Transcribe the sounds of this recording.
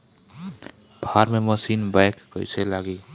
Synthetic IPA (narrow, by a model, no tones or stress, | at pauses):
bʱaɾmeməsinbajkːəɪselaɡi